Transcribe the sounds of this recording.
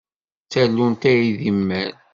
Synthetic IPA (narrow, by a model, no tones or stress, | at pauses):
t͡sælːunt̪æjiðimːæɾ